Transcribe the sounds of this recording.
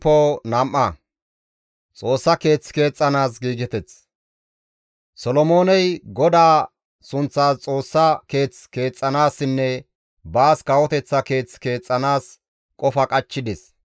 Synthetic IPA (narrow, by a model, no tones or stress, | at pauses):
pːonɐmʔɐ | t͡sʼo̞ːsːɐke̞ːt͡ske̞ːt͡sʼːɐnaːs̬ɡiːɡɛt̪ɛt͡s | sɔlɔmo̞ːnɛjɡɔd̪aː | sʊnt͡sːaːst͡sʼo̞ːsːɐke̞ːt͡ske̞ːt͡sʼːɐnaːsːɪnːɛ | baːskɐwɔt̪ɛt͡sːɐke̞ːt͡ske̞ːt͡sʼːɐnaːs | kʼɔfɐkʼɐt͡ʃːɪd̪ɪs